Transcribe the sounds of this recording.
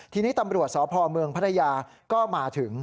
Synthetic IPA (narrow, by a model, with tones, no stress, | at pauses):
t̪ʰiː˧niː˥˩t̪a˧mɾu˨˩ət̪̚sɔː˩˦pʰɔː˧mɯ˧əŋpʰa˦˥t̪ʰːa˧jaː˧kɔː˥˩maː˧t̪ʰɯ˩˦ŋ